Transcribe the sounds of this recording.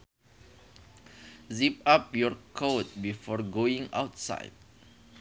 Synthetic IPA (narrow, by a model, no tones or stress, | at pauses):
zip̚ap̚jɔɹkʰot̚bifɔɹɡoĩŋa̰wtsa̰jd̚